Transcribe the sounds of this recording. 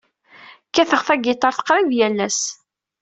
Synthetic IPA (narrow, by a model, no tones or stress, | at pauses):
kːæθəʁθæɡɪt̪ˤɑɾθə̥qɾɪðjælːæs